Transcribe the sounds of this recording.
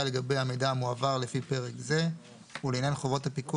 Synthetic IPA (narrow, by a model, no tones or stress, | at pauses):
aleɡabejhame̞jdaamuavaʁlefipe̞ʁekze̞ | uleːnjanχovo̞tapiku